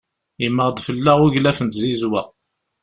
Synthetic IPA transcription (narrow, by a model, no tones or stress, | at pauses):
imːəʁd̪fəlːæʁuʝlæfənt̪zizwæ